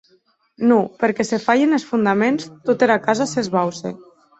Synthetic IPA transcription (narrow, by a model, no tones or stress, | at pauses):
nupeɾkɛsefajenesfund̪amenst̪ut̪eɾakazasezβawsḛ